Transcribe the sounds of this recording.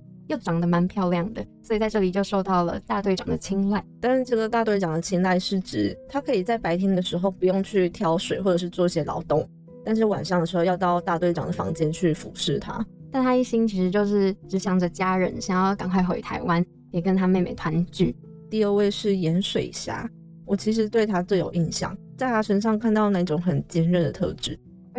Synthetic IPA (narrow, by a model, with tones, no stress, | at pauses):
jo˥˩ʊʈ͡ʂɑ˨˩ŋd̪ə˦ma˧˥npʰjɑ˥˧ʊljɑ˥˩ŋd̪ə˩swɔ˧˥i˨˩t͡sa˥˧ɪʈ͡ʂɤ˥˩li˨˩t͡ɕjo˥˧ʊʂo˥˧ʊt̪ɑ˥˩ʊlə̰˩t̪a˥˧t̪we˥˩ɑ˨˩ŋd̪ə˦t͡ɕʰi˥ŋla˥˩ɪt̪a˥˧nʂɻ̩˥˧ʈ͡ʂɤ˥˩ɡə˩t̪a˥˧t̪we˥˩ɪʈ͡ʂɑ˨˩ŋd̪ə˩t͡ɕʰi˥ŋla˥˧ɪʂɻ̩˥˩ʈ͡ʂɻ̩˨˩t̪ʰa˥kʰɤ˧˥i˨˩t͡sa˥˩ɪpa˧˥ɪt̪ʰjɛ˥nd̪ə˨ʂɻ̩˧˥xo˥˧ʊpu˧˥jʊ˥˧ŋt͡ɕʰy˥˩t̪ʰjɑ˧˥ʊʂwe˨˩ɪxwɔ˥˩ʈ͡ʂɤ˨˩ʂɻ̩˥˧t͡swɔ˥˧i˥˩ɕjɛ˥lɑ̰˧˥ʊt̪ʊ˥˩ŋ | t̪a˥˧nʂɻ̩˥˩wa̰˨˩nʂɑ˥˩ŋd̪ə˩ɻ̩˧˥xo˥˧jɑ˥˧ʊt̪ɑ˥˧ʊt̪a˥˧t̪we˥˩ɪʈ͡ʂɑ̰˨˩ŋd̪ə˩fɑ̰˧˥ŋt͡ɕjɛ˥nt͡ɕʰy˥˩fṵ˨˩˦ʂɻ̩˥˩t̪ʰa̰˥t̪a˥˩nt̪ʰa˥i˥˩ɕi˥ŋt͡ɕʰi˧˥ʂɻ̩˧˥t͡ɕjo˥˧ʊʂɻ̩˥˩ʈ͡ʂɻ̩˧˥ɕjɑ˧˥ŋʈ͡ʂə˨˩t͡ɕja˥ɻə̰˧˦nɕjɑ˨˩ŋjɑ˥˩ʊka˨˩ŋkʰwa˥˩ɪxwḛ˧˩ɪt̪ʰa˧˥ɪwa˦n | jɛ˨˩kə˦nt̪ʰa˥me˥˩ɪmḛ˨˩ɪt̪ʰwa˧˥nt͡ɕy˥˩ | t̪i˥˧ə˥˧we˥˧ɪʂɻ̩˥˩jɛ˧˥nʂwe˨˩ɪ˨˩ɕja̰˥˩ | wɔ˨˩t͡ɕʰi˧˥ʂ̬ɻ̩˧˥t̪we˥ɪt̪ʰa˥t͡swe˥˩jo̰˨˩ʊi˥˧nɕjɑ̰˥˨˩ŋt͡sa˥˩ɪkʰa˥ʈ͡ʂʰə˧˥nʂ̬ɑ˥˧ŋkʰa˥˧nt̪ɑ˥˧ʊna˥˧i˥˩ʈ͡ʂʊ˨˧˥ŋxə˨˩nt͡ɕi˥nɻə˥˩nd̪ə˩t̪ʰɤ̰˥˧ʈ͡ʂɻ̩˥˧˥